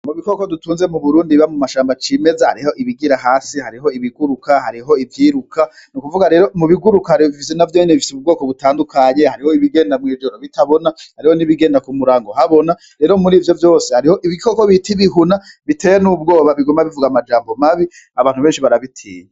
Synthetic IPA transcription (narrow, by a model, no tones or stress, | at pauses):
muβikoko̞dutuːnze̞muβuɾuːndiβamumaʃaːmbat͡ʃiːme̞zaha̰ɾiho̞ʔiβiɡiɾaɦaːsihaɾiɦo̞iβiɡuɾukaɦaɾiɦo̞ivjiːɾukʰa | nukuvuɡaɾe̞ːɾo̞muβiɡuɾukahaɾiifis̬enavjoɲeneβifi̥seub̚ɡoːko̞βutaːndukʰaɲe̞haɾiho̞iβiɡe̞ːndamŋiːd͡ʒo̞ɾoβitʰaβo̞nahaɾiho̞niβiɡe̞ːndakumuɾaːŋɡoɦaβo̞na | ɾe̞ːɾo̞muɾiːvjo̞vjo̞ːse̞haɾiho̞ʔiβikʰokoβitʰiβiɦunaβitʰe̞ːjenub̚ɡo̞ːβaβiɡombaβivuɡamad͡ʒaːmbo̞maβi | aβaːnhuβeːnʃiβaɾaβitʰḭːɲe